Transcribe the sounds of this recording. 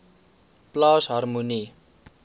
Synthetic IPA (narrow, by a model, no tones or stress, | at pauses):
plɑːsɦarmuni